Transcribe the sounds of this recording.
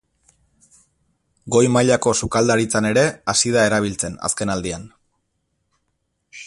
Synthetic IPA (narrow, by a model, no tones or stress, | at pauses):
ɡo̞jmaʎako̞sukald̪aɾit͡sane̞ɾe̞asiðae̞ɾaβ̞ilt͡se̞na̰ske̞nald̪ian